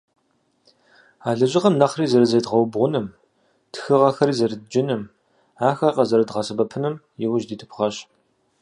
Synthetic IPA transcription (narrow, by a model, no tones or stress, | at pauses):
aːɮɐʑɪʁɐmnɐχriːzɐɾɐzɐjdʁɐwbʁʷʊnɨm | txɨʁɐxɐɾiːzɐɾɨdd͡ʒɪnɨm | aːxaːqɐzɐɾɐdʁɐsɐbɐpʰɨnɨm | jɛwʊʒdiːtʰɨpʰχɐɕ